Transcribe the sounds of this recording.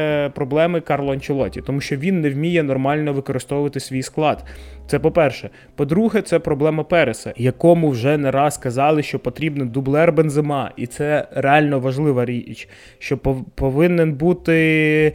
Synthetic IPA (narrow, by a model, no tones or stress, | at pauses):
pɾɔblˠɛmɪkɑrlˠɔɐnt͡ʃɪlˠɔtʲit̪ɔmuʃt͡ʃɔʋʲinːɛwmʲijɛnɔrmɑlʲnɔʋɪkɔɾɪst̪ɔʋʊʋɐt̪ɪsʲʋʲijsklˠɑd̪t̪sɛpɔpɛrʃɛ | pɔd̪ɾuɦɛt̪sɛpɾɔblˠɛmɐpɛɾesɐ̰jɐkɔmʊwʒɛnɛɾɑskɐzɑlˠɪʃt͡ʃɔpɔt̪ɾʲibnɪd̪ublˠɛrbenzɪmɑit̪sɛɾeɑlʲnɔʋɐʒlˠɪʋɐɾʲit͡ʃ | ʃt͡ʃɔppɔʋɪnenbut̪ɪ